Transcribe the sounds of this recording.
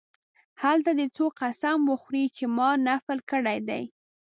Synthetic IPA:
halt̪ad̪ət͡soqasamwəxɾit͡ʃemɑnafəlkəɽajd̪a̰j

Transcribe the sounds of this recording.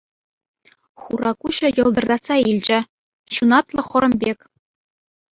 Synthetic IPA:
χurɑkuɕɤ̆jɤ̆lˠd̪ɤ̆rd̪ɑt̪sɑilʲd͡ʑɘ̆ | ɕunɑt̪lˠɤ̆χɤ̆ɾɤ̆mbʲekʲ

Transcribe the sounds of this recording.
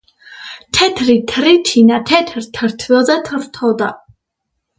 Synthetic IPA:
t̪ʰɛt̪ʰɾit̪ʰɾit̪ʰinat̪ʰɛt̪ʰɾt̪ʰɾt̪ʰwɛlzɛt̪ʰɾt̪ʰɔd̪a

